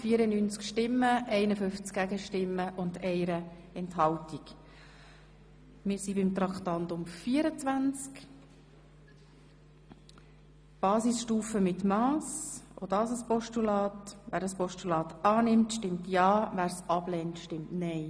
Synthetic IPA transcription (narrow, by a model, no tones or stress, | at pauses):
fiːəɾənyːnt͡skʃtɪmːəʔɛɪnəfʏnft͡skɡ̥æɡəʃtɪmːəʔʊndɛɪɾəɛnthɑltik | mɪːɾsibɪmt̪ɾɑktɑntʊmfiːəɾət͡svænt͡sk | b̥ɑːsisʃtuːfəmɪtmɑːso̰d̥ɑːsəspɔʃtulɑːtʋæːɾdɑspɔʃtulɑːt̪ɑːnɪmtʃtɪmtjɑːʋæːɾsɑb̥lɛntʃtɪmtnɛɪ